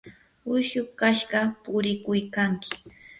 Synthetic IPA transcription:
ʊʃʊkaʃɢɑpʊɾɪkʊjkaŋkɪ̥

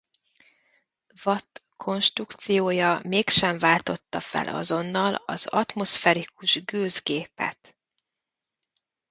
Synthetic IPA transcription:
vɒt̪ | kʰo̞nʃt̪rukt̪sijoːjɒmeːkʃɛɱvaːlt̪o̞t̪ːɒfɛ̰lʔɒ̰zo̞nːɒlɒz̥ɒt̪mo̞sfɛɾikuʒɡøːzɡeːpɛ̰t̪

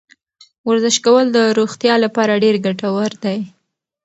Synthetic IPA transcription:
waɾzɪʃkawəld̪əɾoxt̪jɑlapɑɾaɖeɾɡaʈawaɾd̪aj

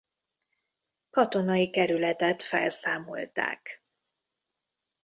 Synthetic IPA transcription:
kɒt̪o̞nɒjikɛɾylɛt̪ɛt̪fɛ̰lsaːmo̞̰lt̪a̰ːk

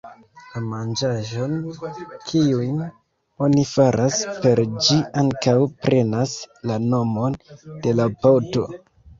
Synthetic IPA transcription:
lamand͡ʒaʒo̞nkʰiujn | o̞nifaɾʔaspe̞ɾd͡ʒiaŋkawpɾʔe̞naslano̞mo̞nd̥e̞lapato̞

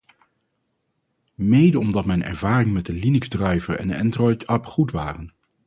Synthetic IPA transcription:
mejdəɔmdɑtmɛjnɛ̰ɹvaːrɪŋmɛt̚dəlinɵɡzdrœɥvəɹɛ̰nəɛndrɔjtʰœpχutʋaːrən

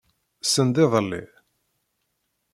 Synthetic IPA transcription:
sənd̪ɪðˤəlːḭ

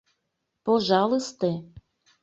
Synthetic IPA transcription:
poʒɑlˠɤst̪e

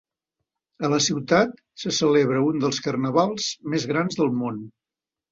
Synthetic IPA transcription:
ələsiwt̪at̪ | səsəleβɾəund̪əlˠskərnəβalˠz̥mezɣɾanzðəlˠmon

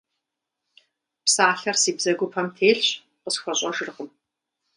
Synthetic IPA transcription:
psaːɬɐrsiːbzɐɡʷʊpʰɐmtʰeːɬɕ | qəsxʷɔɕʼɐʒɪrqəm

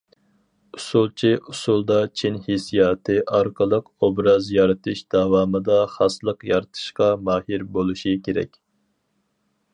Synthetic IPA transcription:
usulˠt͡ʃʰiʔusulˠd̪ɑt͡ʃʰinhisijɑːt̪ʰɨʔɑɾqʰəlˠəqobɾɑzjɑɾɨt̪ʰɨʃd̪ɑwɑːmɨd̪ɑχɑslˠəqjɑɾɨt̪ʰɨ̥ʃqɑmɑːhiɾbolˠuʃikʲʰeɾɛ̰kʲ

